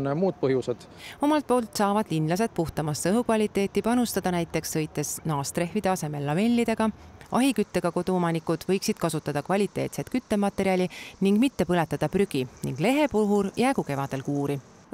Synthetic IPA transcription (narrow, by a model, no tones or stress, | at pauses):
nmuːt̪̚pɤhjused̪̥ | o̞mɑlt̪̚po̞ːlt̪ˑsɑːvɑd̪linːlɑs̬e̞d̪̥̚puht̪ɑmɑsːɤɦukvɑlʲit̪ːˑe̞ːt̪ˑːipɑnust̪ɑd̪̥ɑnæjt̪ːˑe̞ksːɤ̞jt̪ːˑe̞snɑːst̪re̞hvid̪̥e̞ɑse̞me̞lːɑme̞lʲːid̪̥e̞ɡ̥ɑɑɦikyt̪ːe̞ɡ̥ɑko̞d̪uomɑnikud̪̥vɤjksid̪̥kɑsut̪ːˑɑd̪̥ɑkvɑlʲit̪ːˑe̞̰ːt̪set̪̚kyt̪ːe̞mɑt̪ːe̞ɾiɑlʲiniŋɡ̥mit̪ːe̞pɤle̞t̪ːˑɑd̪̥ɑpryɡinḭŋɡ̥le̞ɦe̞puɦuɾjæːɡuke̞vɑd̪̥e̞lkuːɾi